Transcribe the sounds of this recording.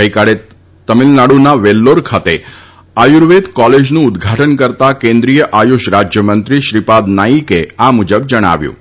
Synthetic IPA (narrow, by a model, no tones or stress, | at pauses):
əjkaɭe | t̪əmilnaɽunaʋelːoɾkʰat̪e | ajuɾʋed̪kɔled͡ʒnũːd̪ɡʱaʈənkəɾt̪akẽnd̪ɾijəʔajuʃɾad͡ʒjəmənt̪ɾiʃɾipad̪najikeamud͡ʒəb̚d͡ʒəɽ̃a̰ʋjṵ̃